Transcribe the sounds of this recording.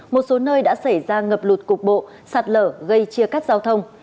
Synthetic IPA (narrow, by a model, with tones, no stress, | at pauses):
mo˨˩t̚so˨˦nəː˧jɗa̰ː˧˥sa˧˩jzaː˧ŋə˨˩p̚lu˨˩t̚kʊ˨˩k͡p̚ɓo̰˧˨ | saː˨˩t̚ləː˧˩ɣə˧jt͡ɕi˧əkaː˦˥k̚zaː˧wt̪ʰə˧wŋ͡m